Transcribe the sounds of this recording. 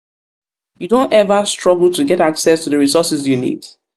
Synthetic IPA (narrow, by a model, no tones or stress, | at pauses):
judõntɛvəstɹɔɡl̩ˠtuɡɛtaksɛstuðəɹisɔsɪsjunḭd̥